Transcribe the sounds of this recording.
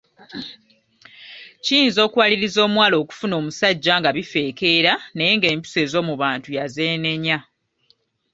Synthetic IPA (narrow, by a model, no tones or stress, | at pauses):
ciiːnzo̞ːkuwaliɾizo̞ːmwaːlo̞ːku̥funo̞ːmusaɟːaŋɡaβife̞ːke̞ɾanejeŋɡe̞ːmpi̥se̞ːzo̞ːmuβaːntujaze̞ːne̞ɲa